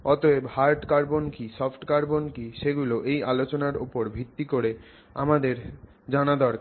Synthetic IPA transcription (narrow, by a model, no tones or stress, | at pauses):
ɔt̪oebhaɾʈkaɾbonkisɔfʈkaɾbonkiʃeɡuloʔejalot͡ɕonaɾo̰poɾbʱit̪ːikoɾe | a̰mad̪eɾ | d͡ʑanad̪ɔɾk